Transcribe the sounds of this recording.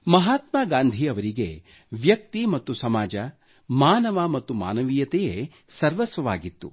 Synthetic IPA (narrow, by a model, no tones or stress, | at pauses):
mɐɦaːt̪maːɡaːnd̪ʱiɐʋɐɾiɡḛ | ʋjɐk̚t̪imɐt̪ːusɐmaːd͡ʒɐ | maːnɐʋamɐt̪ːuma̰ːnɐʋiːjɐt̪eje | sɐɾʋɐsʋɐʋa̰ːɡit̪ːṵ